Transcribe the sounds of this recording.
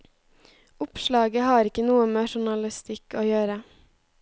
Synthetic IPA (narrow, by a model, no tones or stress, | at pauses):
ʊpʃlɑːɡəhɑːɾɪkənuːəmeːʃʊɳɑlɪst̪ɪkʰoːjøːɾə